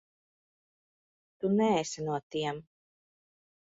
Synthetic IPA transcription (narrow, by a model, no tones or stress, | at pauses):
t̪unɛesanuɔt̪iɛm